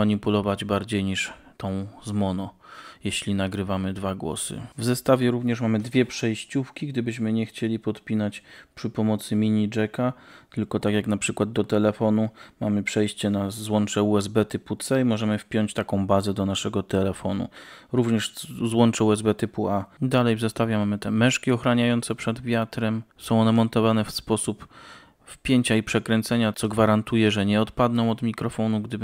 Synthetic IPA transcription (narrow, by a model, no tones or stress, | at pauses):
aɲipulɔvad͡ʑbaɾd͡ʑejɲiʂ | t̪ɔ̃w̃zmɔnɔjeɕlʲinaɡɾɘvamɘd̪vaɡwɔ̰sɘ̰vzɛst̪avʲjɛɾuvɲɛʂmamɘd̪vʲjɛpʂɛjɕt͡ɕufkʲiɡd̪ɘbɘɕmɘɲɛxt͡ɕelʲipɔt̪pʲinat͡ɕpʂɘpɔmɔt̪sɘmʲiɲid͡ʐɛkat̪ɘlkɔt̪akʲjaknapʂɘkwad̪̚ːɔt̪ɛlɛfɔnumamɘpʂɛjɕt͡ɕɛnazwɔnt͡ʂɛuɛzbɛt̪ɘput̪sɛimɔʐɛmɘfpʲjɔɲt͡ɕt̪akɔ̃w̃bazɛd̪ɔnaʂɛɡɔt̪ɛlɛfɔnṵɾuvɲɛʂzwɔnt͡ʂɛuɛzbɛt̪ɘpuad̪alɛjzast̪avʲjamamɘt̪ɛmɛʂkʲiɔxɾaɲajɔnt̪sɛpʂɛd̪vʲjat̪ɾɛmsɔ̃w̃ɔnɛmɔnt̪ɔvanɛfspɔsup | fpʲjeɲt͡ɕaipʂɛkɾɛnt̪sɛɲat̪sɔɡvaɾant̪ujɛʐɛɲɛɔt̪pad̪nɔ̃w̃ɔd̪mʲikɾɔfɔnuɡd̪ɘb